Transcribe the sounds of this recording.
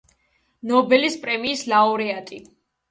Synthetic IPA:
nɔbɛlispʼɾɛmiːslaɔɾɛat̪ʼi

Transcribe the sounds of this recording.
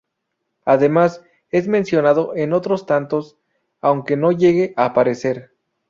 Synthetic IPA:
aðe̞mas | e̞zmẽ̞nsjo̞nað̞o̞ʔeno̞t̪ɾo̞st̪ant̪o̞s | awŋke̞no̞ʝe̞ɣe̞ʔapaɾe̞se̞ɾ

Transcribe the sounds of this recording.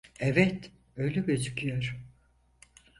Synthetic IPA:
ɛvɛt̪ | øjlʲɛbøzycʰyjoɾ

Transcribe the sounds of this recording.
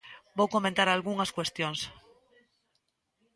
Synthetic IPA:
bowko̞mẽnt̪aɾalɣuŋaskwe̞st̪jons

